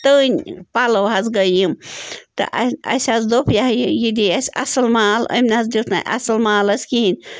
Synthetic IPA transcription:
t̪ənʲpaləwɦazɡəjimt̪ɐ̰ʔɐ̰sʲazd̪opjaɦjijid̪iasʲɐ̰sɐlmaːlə̰mnazd̪ewt̪ʰna̰ʔɐ̰sɐlmaːlɐsʲkiɦinʲ

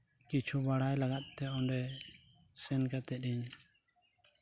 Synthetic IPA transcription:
kit͡ʃʰubaɽajlaɡat̪̚ˀt̪ɛɔɳɖɛ | sɛnkat̪ɛɗiɲ

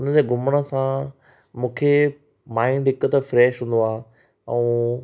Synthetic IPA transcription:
ʊnəd͡ʑeːɡʱʊməɽ̃ə̆sã | mũːkʰe | maːɪɳɖɦɪkʊt̪əfɾɛːʃɦũːnd̪oaː | ɛ̃ː

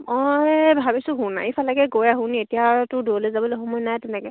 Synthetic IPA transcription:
ɔjbʱabisʊɦũna̰ifʰalakɛɡojaɦũnietijatʊdolezabɔleɦɔmɔjnajtɛnɛkɛ

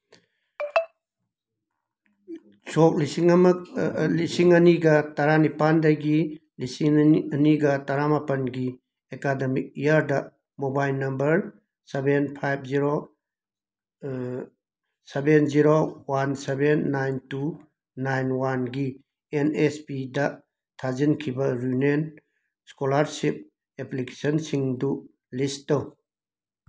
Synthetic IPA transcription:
sok̚lisiŋɐmɐk̚lisiŋɐniɡɐtaɾanipandajɡilisiŋɐniɡɐtaɾamapɐnɡi | ekademik̚ijaɾdɐ | mobajlnɐmbɐɾ | sebenpʰajb̚ʰziɾo | sebenziɾowansebenːajntu | najnwanɡi | enespidɐ | tʰazinkʰibɐɾunen | skolaɾsip̚ | eplike̥sɐnsiŋdu | listɐw

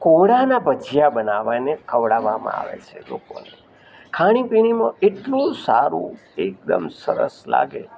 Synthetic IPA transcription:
koɽanabəd͡ʒjabənaʋanekʰəʋɽaʋamã̰a̰ʋḛt͡ʃʰeloko̰ne | kʰaɽ̃ipiñimãʔeʈlũsaɾṵ̃ek̚d̪əmsəɾə̰sla̰ɡe

